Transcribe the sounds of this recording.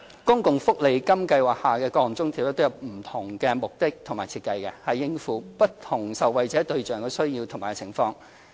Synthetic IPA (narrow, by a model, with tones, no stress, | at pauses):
kʊ˥ŋkʊ˨ŋfʊ˥k̚le˨˧jkɐ˥mkɐ˧jwaː˨˩k̚haː˨˩kɛː˧kɔː˧˨ŋt͡sʊ˥ŋt̪ʰiː˨˩wtːaː˥t̪o˥jwm̩˨˩t̪ʰʊ˨˩ŋkɛː˧mʊ˨k̚t̪ɪ˥k̚t̪ʰʊ˨˩ŋmaː˨˩t͡sʰiː˧t̚kɐ˧jkɛ̰˧hɐ˨jːɪ˥ŋfuː˨˥pɐ˥tt̪ʰʊ˨˩ŋsɐ˨wwɐ˨jt͡sɛː˨˥t̪ɵ˧ɥt͡ʃœː˨ŋkɛː˧sɵ˥ɥjiː˧wt̪ʰŋmaː˨˩kt͡sʰɪ˨˩ŋfɔː˧ŋ